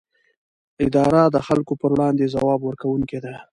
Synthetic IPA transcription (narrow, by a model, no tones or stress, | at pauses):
ɪd̪ɑɾad̪əxalkopəɾwɽɑnd̪ezawɑbwəɾkawuŋked̪a